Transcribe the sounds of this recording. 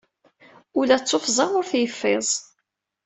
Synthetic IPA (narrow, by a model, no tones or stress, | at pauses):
ʊlæt͡sˤːofzˤɑʁʊɾθjəfːɪzˤ